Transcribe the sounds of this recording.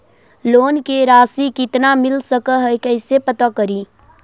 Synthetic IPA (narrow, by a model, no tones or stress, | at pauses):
loːnkeɾaːsikɪt̪namɪlsəkəɦɛjkəɪsepət̪akəɾiː